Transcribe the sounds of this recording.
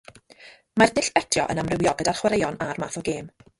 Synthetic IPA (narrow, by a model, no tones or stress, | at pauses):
mardɪɬɛtʰjɔ̰ʔə̰namrɪwjɔɡədarχwaɾejɔnarmaːθɔɡeːm